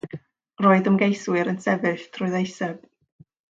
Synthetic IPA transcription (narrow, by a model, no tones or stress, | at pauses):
roːɨðəmɡejswɨɾənsɛvɨθtʰrʊɨðejsɛb̥